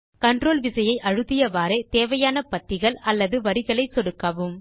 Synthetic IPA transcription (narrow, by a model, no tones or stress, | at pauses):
kɐɳɖroːlʋɪsɐjɐɪʔɐɻɯðɪjɐʋaːɾeːt̪eːʋɐjaːnɐpɐt̪ːɪɣɐɭɐlːɐðɯʋɐɾɪɣɐɭɐɪsɔɽɯkːɐʋɯm